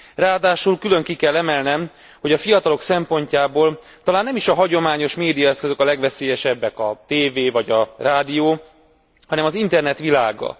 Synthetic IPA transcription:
raːd̪aːʃulkylø̞ŋkikɛlːɛmɛlnɛm | ho̞ɟɒfijɒt̪ɒlo̞ksɛmpo̞ɲcaːboːl | t̪ɒlaːnːɛmiʃɒɦɒɟo̞maːɲo̞ʃmeːd̪ijɒɛskøzøkɒlɛɡʋɛseːjɛʃɛbːɛkɒt̪eːveːvɒɟɒraːd̪ijoː | hɒnɛmɒzint̪ɛrnɛt̪ʋilaːɡɒ̰

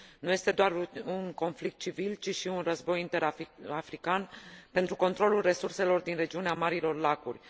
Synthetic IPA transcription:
nuje̞st̪e̞d̪oarunko̞nflik̚t̪̚t͡ʃivilt͡ʃiʃiunrəzbo̞jint̪e̞ɾaafɾikanpe̞nt̪ɾuko̞nt̪ɾo̞lulre̞surse̞lo̞rd̪inre̞d͡ʒiuneamaɾilo̞rlakṵrʲ

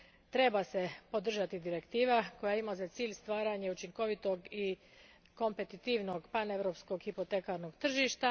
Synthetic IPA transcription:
t̪ɾe̞base̞po̞d̪r̩ʒat̪id̪iɾe̞kt̪iːʋako̞jaimazat̪siːʎst̪ʋaːɾaɲe̞ut͡ʃiŋko̞ʋit̪o̞ɡi | ko̞mpe̞t̪it̪iʋno̞ɡpane̞ʋɾo̞psko̞ɡxipo̞t̪ekaɾno̞ɡt̪r̩ʒiʃt̪a

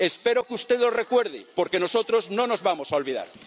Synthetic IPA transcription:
espeɾokeust̪eðlo̞rekweɾðipoɾkeno̞sot̪ɾo̞znõno̞zβamo̞saolβiða̰ɾ

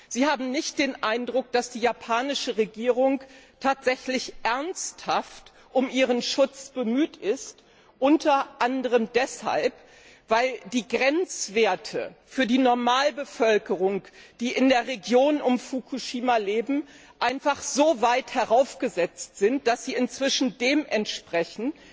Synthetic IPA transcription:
z̥iːhaːbm̩nɪçt̚d̥eːnʔaɪndʁʊk̚d̥asd̥iːjapʰaːnɪʃəʁeɡiːʁ̞ʊŋtʰaːtz̥ɛçlɪçʔɛɐnsthaft | ʔʊmʔiːʁ̞ənʃʊt͡sb̥əmyːtɪst | ʔʊntʰɐʔandəʁ̞əmdɛsha̰lp | v̥aɪld̥iːɡʁɛnt͡sv̥eːɐtʰə̰fyːɐdiːnɔɐmaːlbəfœlkəʁʊŋd̥iːʔɪndeːɐʁeɡjoːnʊmfukʰuʃiːmaleːbm̩ | ʔaɪnfaχz̥oːvaɪthɛʁaʊfɡ̥əzɛt͡stz̥ɪnt̚d̥asz̥iːɪnt͡sv̥ɪʃn̩deːmʔɛntʃpʁ̥ɛçn̩

